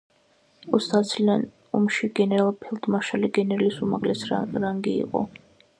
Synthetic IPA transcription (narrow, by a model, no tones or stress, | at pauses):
ɔst̪ʰat̪sʰlian | umʃiɡɛnɛɾalˠpʰɛlˠd̪ʰʼmaʃaliɡɛnɛɾalisumaʁlɛsɾaŋɡḭːqʼɔ̰